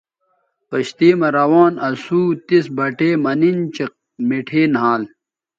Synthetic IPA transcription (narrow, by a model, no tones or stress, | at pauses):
pɐɕt̪iːmɐɾɐwaːnɐsuːt̪isbɐʈeːmɐnint͡ɕɐ | miʈʰeːnɦaːl